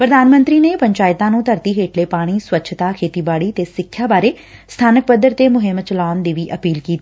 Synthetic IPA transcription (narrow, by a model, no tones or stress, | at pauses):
pɾəd̪aːnmə̃nt̪ɾiːneːpəɲt͡ʃaːɪt̪ãːnũːt̪əɾt̪iːɦeːʈʰleːpaːɽ̃iːswətːʃʰt̪aːkʰeːt̪iːbaːɽiːt̪eːsɪkʰjaːbaːɾeː | st̪ʰaːnək̚bəd̪əɾt̪eːmʊɦɪmt͡ʃəlaːnd̪iːʋiːʔəpiːlkiːt̪i